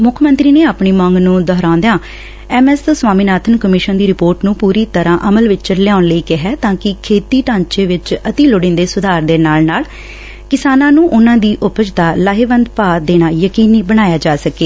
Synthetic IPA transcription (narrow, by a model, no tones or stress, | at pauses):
mʊkʰmənt̪ɾiːneːaːpɳiːmãːŋɡnũːd̪ɔːɾãːnd̪ejãː | ɛːmɛːst̪oːsʋwaːmiːnaːt̪ʰənkəmɪʃənd̪iːɾɪpoːɾʈnũːpuːɾiːt̪əɾãːʔəməlʋɪt͡ʃt͡ʃəɾlɪjaːʊnləiːkɪɦɛːt̪ãːkɪkʰeːt̪iːʈãːɲt͡ʃeːʋɪt͡ʃət̪iːlʊɽɪ̃nd̪eːsʊd̪ʱaːɾd̪eːnaːlnaːl | kɪsaːnãːnũːʔʊnãːd̪iːʔʊpət͡ʃd̪aːlaːɦeːʋənd̪paːd̪eːnaːjəkiːniːbəɽ̃aːjaːd͡ʒaːsəkeː